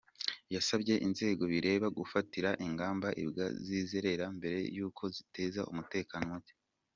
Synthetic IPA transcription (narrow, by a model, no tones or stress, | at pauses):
jasabɟe̞ʔinze̞ːɡo̞βiɾe̞ːβaɡufatiɾaʔiŋɡaːmbaʔibɡa̰zizeɾe̞ɾambe̞ɾe̞̰juːkʰo̞zite̞ːzaʔumute̞ːkanowaɟe